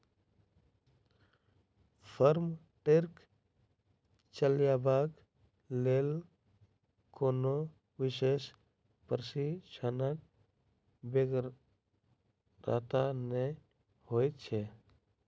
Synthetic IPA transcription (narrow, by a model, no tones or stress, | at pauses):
pʰəɾm | ʈeɾk | t͡ʃəljabak | lel | koːno | wɪʃes | pəɾsit͡ʃʰanək̚ | beɡ | ɾa̰t̪ane | hoːjt̪̚t͡ʃʰe